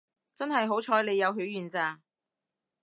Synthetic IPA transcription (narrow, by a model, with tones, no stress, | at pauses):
t͡sɐ˥nɦɐ˨jɦo˨˥wt͡ʃʰɔː˨˥jle˨˧jɐ˨˧wɦy˨˥ɥjyː˨˩nt͡saː˧